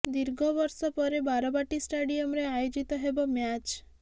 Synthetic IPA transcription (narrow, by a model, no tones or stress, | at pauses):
d̪iɾɡʱɔbɔɾsɔpɔɾebaɾɔbaʈisʈaɖiɔmɾeajod͡ʒit̪ɔɦebɔmjat͡ʃ